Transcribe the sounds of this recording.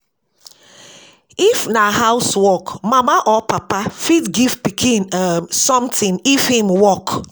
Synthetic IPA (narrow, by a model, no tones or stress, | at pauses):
ifnahaʊswɔkmamaʔɔpapafitɡiv̥pikʰĩnamsɔ̃mtĩnifhĩmwɔk